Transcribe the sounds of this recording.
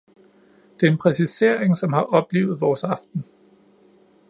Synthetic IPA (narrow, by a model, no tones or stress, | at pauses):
d̥e̝ɐe̝npʰʁɛsise̝ɐ̰e̝ŋsɒ̽mhɑ̈ʔɒ̽b̥le̝̰ːʊð̞̩ˠʋɒːsɑ̈fd̥n̩